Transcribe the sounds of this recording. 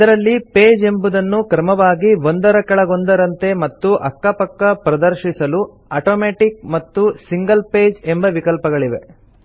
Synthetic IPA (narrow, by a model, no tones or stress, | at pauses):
id̪ɐɾɐlːipeːd͡ʒe̞mbud̪ɐnːukɾɐmɐʋaːɡiʋond̪ɐɾɐkɛɭɐɡo̞nd̪ɐɾɐnt̪e̞mɐt̪ːuʔɐ̰kːɐpɐkːɐpɾɐd̪ɐɾʃisɐlu | ɐːʈoːmeːʈik̚mɐt̪ːusiŋɡɐlpe̞ːd͡ʒembɐʋikɐlpɐɡɐɭiʋe̞̰